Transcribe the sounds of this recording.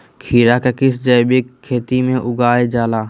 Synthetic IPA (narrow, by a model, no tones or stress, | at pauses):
kʰiːɾaːkəkɪsd͡ʒəːbekʰːeːt̪imẽʔʊɡaːed͡ʒaːlaː